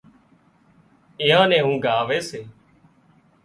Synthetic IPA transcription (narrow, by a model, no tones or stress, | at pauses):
ɪːãːnẽːɦũːɡaːʋeːseː